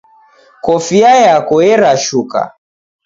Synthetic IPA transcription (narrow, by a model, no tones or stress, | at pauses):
kɔfiajakɔɛɾaʃuka̰